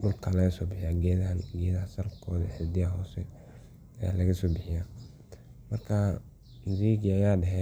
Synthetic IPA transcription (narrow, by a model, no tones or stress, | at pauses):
ɖʊlkʰɐlɐɣɐsɔːbɪħɪjaːɡɛðɡɛːðɐsɐlkʰɔːðɐ̰ħɪd̪ɪjaɦɔːsɛ | ja̰lɐɣɐsɔːbɪħɪjaː | mɐrkʰa | mɪziːɡjajaːɖɐɦɛ